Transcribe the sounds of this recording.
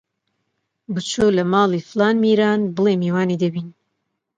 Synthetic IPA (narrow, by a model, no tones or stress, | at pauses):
bɨt͡ʃʰoːlɐmɑːlˠiːflaːnmiːɾaːnbɨlemiwaːniːd̪ɐbiːn